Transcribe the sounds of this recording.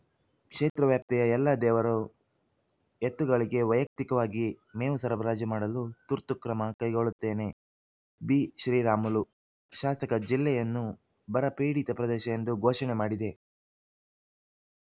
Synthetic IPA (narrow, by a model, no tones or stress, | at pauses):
kʂeːt̪ɾɐʋjaːp̚t̪ɛjɐɛlːɐd̪ɛːʋɐɾu | et̪ːuɡɐɭiɡe̞ʋɐjɐk̚t̪ikɐʋaːɡimeːʋusɐɾɐbɾaːd͡ʒɐmaːɽɐlut̪uɾt̪ukɾɐmɐkɐjɡo̞ɭut̪ːe̞ːne̞ | biːʃɾiːɾaːmulu | ʃaːsɐkɐd͡ʒilːɛjɐnːu | bɐɾɐpiːɽit̪ɐpɾɐd̪ɛːʃɐend̪uɡɔːʃɐɳemaːɽid̪e̞